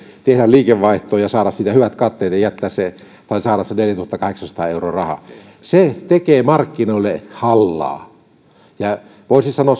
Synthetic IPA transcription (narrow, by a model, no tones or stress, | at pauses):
t̪ehdælliːkeʋʋɑˑiht̪oːjɑsɑːɾɑssiːt̪æhyʋæt̪kɑt̪ːeˑːt̪jɑjæt̪ːæːsse | t̪ɑˑisɑːɾɑsːeneljæt̪uhɑt̪ːɑkɑheksɑnsɑ̥t̪ɑ̰ːeuro̰ːrɑhɑ̰ | set̪ekeːmɑrkːinoˑilːehɑlːɑ̰ː | jɑ | ʋoˑisisɑnoɑs